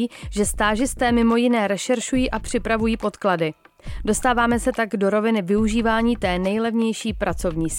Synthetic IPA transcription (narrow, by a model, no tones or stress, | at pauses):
ʒɛst̪aːʒɪst̪ɛːmɪmo̞jɪnɛːɾɛʃɛɾʃujiːʔapr̝̥ɪpɾavujiːpo̞t̪kladɪ | do̞st̪aːvaːmɛsɛt̪aɡdo̞ɾo̞vɪnɪvɪuʒiːvaːɲiːt̪ɛːnɛjlɛvɲɛjʃiːpɾat͡so̞vɲiːs